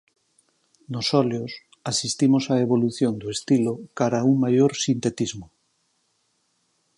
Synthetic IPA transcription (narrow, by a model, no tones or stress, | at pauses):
nosɔljos | asist̪imosaeβoluθjond̪oest̪ilokaɾauŋmajoɾsint̪et̪izmo